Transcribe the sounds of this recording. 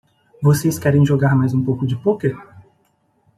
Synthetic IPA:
voseskɛɾẽj̃ʒoɡaɾmajzũpowkʊd͡ʒɪpoke

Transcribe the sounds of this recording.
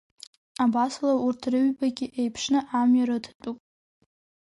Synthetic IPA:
abaslaurtʰrɨɥbaɡʲɪʔejpʰʂnɨʔamɥaɾɨdʰt͡pʼupʼ

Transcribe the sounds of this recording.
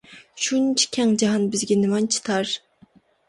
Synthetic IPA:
ʃunt͡ʃʰi̥kʲʰɛŋd͡ʒɑɦɑnbɪzɡʲɛnɪmɑnt͡ʃʰi̥t̪ʰɑɾ

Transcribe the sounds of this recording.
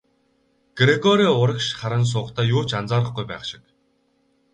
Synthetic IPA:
ɡ̥ɾeɡɔɾiːʊɾə̆kʃχaɾə̆ns̬ʊːqt̪ʰæːjʊːt͡ɕant͡saːɾə̆χɡujpæ̰ːχʃɪ̥̆k

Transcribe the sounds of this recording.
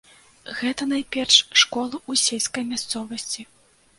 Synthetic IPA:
ɣɛt̪ɐnajpʲɛrʂʂkɔlˠɐʔusʲelʲskɐjmʲast̪sɔvɐsʲt͡sʲi

